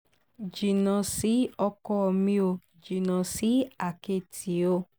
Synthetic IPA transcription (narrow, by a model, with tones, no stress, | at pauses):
d͡ʒi˨nã˨si˨˦ɔ˧kɔ˧ɔ˧mĩ˧o˧ | d͡ʒi˨nã˨si˨˦a˨ke˧˨tʰi˨˦o˧